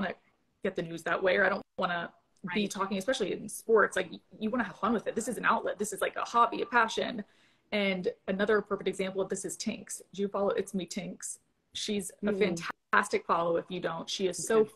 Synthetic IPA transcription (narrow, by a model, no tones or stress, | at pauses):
ɑnɨ | ɡ̥ɛt̪̚ðɨnʉzðəʔweɪə˞aɪɾõʊ̃wɑ̃ñə | bitʰɔkɪ̃ŋɨspɛʃl̩ˠiɨ̰̃nspɔɹtslaɪkjjɨwɑñɨəv̥fʌ̃nwɨðɨt̪̚ðɪsɨzn̩aʊʔˡlɛ̰t̪̚ðɪsɨzlaɪkə̰hɑbiɨ̥pʰæʃɨ̰̃n | ɨ̃nɨnʌðə˞ɨpʰɹ̥oʊfɨk̚ɾɨɡzæ̃mpl̩ˠʌvðɪsɨz̥tʰɪ̰̃ŋksd͡ʒɨfɑlˠoʊʔɨtsmitʰɪ̃ŋks | ʃizɨfæ̃ntʰ | æstɨkfɑlˠoʊɨfjɨdõʊ̃ntʃiɨz̥soʊ